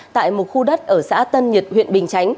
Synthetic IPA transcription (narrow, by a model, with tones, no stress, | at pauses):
t̪a̰ː˧˨jmo˨˩t̚xu˧ɗə˦˥t̚ʔəː˧˩sa̰ː˧˥t̪ə˧nɲi˨˩t̚hwḭ˧˨ənɓï˨˩ŋ̟t͡ɕa˨˦jŋ̟